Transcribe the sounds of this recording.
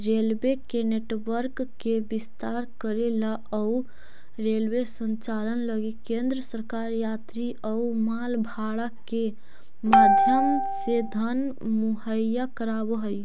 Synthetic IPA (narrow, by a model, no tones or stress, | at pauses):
ɾelbekeneʈʋəɾkːebist̪aɾkəɾela | əu | ɾelbesə̃nt͡ʃalənləɡikẽnd̪ɾəsəɾkaɾjat̪ɾiʔəumalbʱaɽake | mad̪ʱjəmsed̪ʱənmuɦəjakəɾabəɦəj